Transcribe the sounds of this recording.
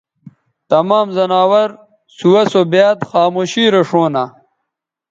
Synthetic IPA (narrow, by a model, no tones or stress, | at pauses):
t̪ɐmaːmzɐnaːwɐɾ | suwɐsobjaːt̪xaːmoːɕiːɾɐʂoːna